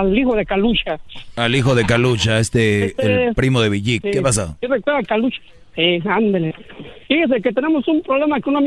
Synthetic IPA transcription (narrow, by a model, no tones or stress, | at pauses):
alixoðekalut͡ʃaalixoðe̞kalut͡ʃaest̪eːlpɾimoðe̞βiʝikːepas̬aosirekweɾðakalut͡ʃḁ | siand̪alefiɣens̬eket̪ene̞mosumpɾoβlemakeunam